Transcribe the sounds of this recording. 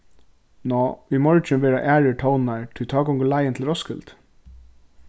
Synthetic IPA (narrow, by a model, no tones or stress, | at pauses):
nɔʏjmɔɹt͡ʃɪnʋeːɾaʔæːɹɪʈʰɔwnnaɹt̪ʰit̪ʰɑːɡɔŋɡəlajənt̪ʰɪlɾɔskɪlt̪